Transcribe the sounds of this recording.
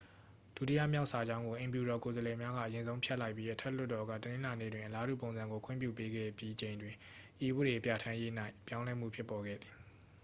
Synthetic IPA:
d̥u˦tḭ˦ja̰˦˨mja˦ʊʔsa˨d͡ʑã˦ʊ̃ŋɡo˨ʔẽ˨mpju˨ɾɔ˨ko˨zəlɛ˨mja˦ɣa̰˦˨ʔəjɪ̃˨nzõ˦ʊ̃pʰjɛ˦la˦ɪpːji˦ʔətʰɛ˦˨l̥ʊ˦tːɔ˨ɡa̰˦˨tənɪ̃˦la˨nḛ˦˨dwɪ̃˨ʔəla˦ɾṵ˦˨p̬õ˨ʊ̃nzã˨ŋɡo˨kʰwɪ̰̃˦˨mpjṵ˦˨pe˦ɡɛ̰˦˨bji˦t͡ɕẽ˨ɪ̃ndwɪ̃˨ | ʔi˨wu˦˨ɾe˨pja˨tʰã˦je˦na˦ɪpjã˦ʊ̃lɛ˦m̥ṵ˦˨pʰjɪ˦pːɔ˨ɡɛ̰˦˨d̪ði˨

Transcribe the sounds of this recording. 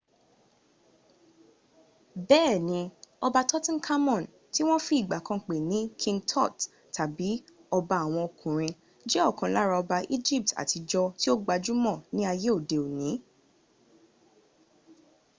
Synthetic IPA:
bɛː˦˨nĩ˧ɔ˧ba˧tɔ˦tɔ̃˦n̩˦kʰa˦mɔ̃˦˨n | ti˦w̃ɔ̃˦fi˦i˦˨ɡ͡ba˨kã˧k͡pe˨nĩ˨˦kʰĩ˧ŋɡtʰɔ˦˨t | ta˨bi˨˦ | ɔ˧ba˧a˨w̃ɔ̃˧o˨kʰũ˨ɾ̃ĩ˧ | d͡ʒɛ˦ɔ˦˨kã˨la˦ɾa˧ɔ˧ba˧ʔi˦d͡ʒi˦˨p̚ta̰˨ti˧d͡ʒɔ˧ti˦o˦ɡ͡ba˧d͡ʒu˦mɔ̃˦˨nĩ˦a˧je˦o˦˨de˨o˨nĩ˨˦

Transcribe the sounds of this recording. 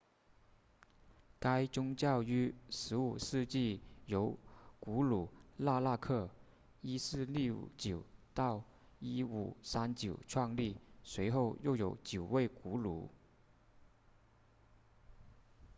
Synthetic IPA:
ka˥ɪt͡sʊ˥ŋt͡ɕjɑ˥˩ʊy˥ʂɻ̩˧˥u˨˩ʂɻ̩˥˧t͡ɕi˥˩jo˧˥ʊku˧˥lu˨˩˦la˥˧la˥˧kʰɤ˥˩ | i˥sɹ̩˥˧lḭ˥˩˨t͡ɕjo˨˩ʊt̪ɑ˥˩ʊ | i˥u˨˩sa˥nt͡ɕjo˨˩ʊʈ͡ʂʰwɑ˥˧ŋli˥˩swe˧˥ɪxo˥˧ʊjo˥˩ʊjo˨˧˥ʊt͡ɕjo˨˩ʊwe˥˩ɪku˧˥lṵ˧˥˦

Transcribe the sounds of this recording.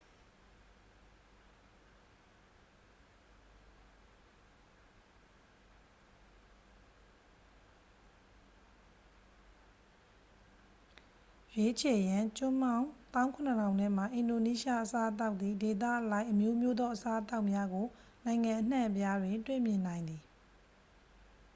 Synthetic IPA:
jwe˦t͡ɕʰe˨jã˨t͡ɕʊ̃˦mã˦ʊ̃t̪ã˦ʊ̃kʰʊ̃˨nəkʰã˨ʊ̃nɛ̃˦ma˨ʔɪ̃˨ndo˨ni˦ʃa˦ʔəsa˦ʔət̪̬a˦ʊʔ̪ði˨de˨t̪̬ä̰˦˨ʔəlã˦ɪʔəmjo˦mjo˦d̪ɔ˦ʔəsa˦ʔət̪a˦ʊʔmja˦ɡo˨nã˨ɪ̃ŋã˨ʔən̥ã˦˨ʔpja˦dwɪ̃˨ntwḛ˦˨mjɪ̃˨nã˨ɪ̃nd̪ði˨

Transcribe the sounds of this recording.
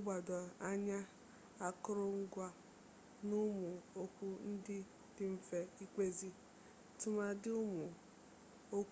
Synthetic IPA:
ɡ͡bɔ˨dɔ˨a˦ɲa˦ | a˦kʊ˦ɾʊ˦ŋ̩˦ɡʷa˦ | nʊ˦mʊ˨o˦kʷu˦n̩˦dɪ˦ | d̥ɪ˦m̩˦fe˦i˦kʷe˦zi˦ | tʊ˦ma˦dɪ˦ʊ˦mʊ˨ | o˦k

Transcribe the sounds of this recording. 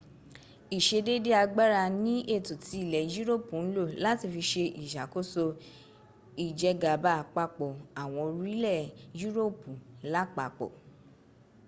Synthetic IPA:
i˨ʃe˧de˦de˦a˧ɡ͡ba˦ɾa˧nĩ˦ʔe˦˨to˨ti˧˦i˦˨lɛ˨ju˦ɾo˦˨pu˨n̩˦lo˦˨la˦ti˦˧˨fi˧ʃe˧ʔi˨ʃa˨ko˦so˧ | i˨d͡ʒɛ˧ɡa˨ba˦˨k͡pa˧k͡pɔ˨a˨w̃ɔ̃˧ɾi˦lɛ˦˨ju˦ɾo˦˨pu˨˦la˦k͡pa˧˨k͡pɔ̰˨

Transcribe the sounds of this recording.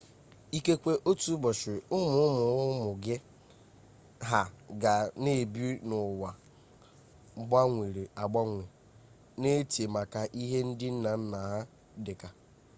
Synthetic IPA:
i˦ke˦kʷe˦ʔo˦tu˦bɔ˨ʃɪ˨ʊ˦mʊ˨˦ʊ˦mʊ˨ʊ˦mʊ˨ɡɪ˦ | ɦa˨ɡa˨ne˦˨bi˦nʊ˨wa˨˦ | ɡ͡ba˦ŋʷe˨ɾe˨a˨ɡ͡ba˦ŋʷe˨ | ne˦te˨ma˨ka˨ʔi˦ɦe˦n̩˦dɪ˦n̩˦na˨n̩˦na˨ɦa˦ | dɪ˨ka˨

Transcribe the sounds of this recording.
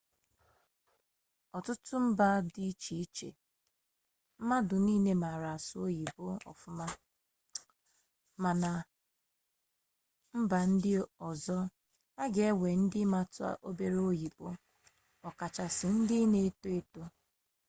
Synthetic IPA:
ɔ˨tʊ˦tʊ˦m̩˦ba˦dɪ˦t͡ʃi˨i˦t͡ʃḛ˨ | m̩˦ma˦dʊ˨niː˦ne˦ma˨ɾa˨sʊ˦o˦ji˨pʊ˦ɔ̰˨fʊ˦ma˦ | ma˨na˨ | m̩˦ba˨n̩˦dɪ˦ɔ˨zɔ˦ | a˦ɡe˨e˦we˨n̩˦dɪ˦ma˨tʊ˦a̰˦ʔo˦be˨ɾe˦o˦ji˨bʊ˦ | ɔ˨ka˨t͡ʃa˨sɪ˨n̩˦dɪ˦ne˦e˦to˦e˦to˦

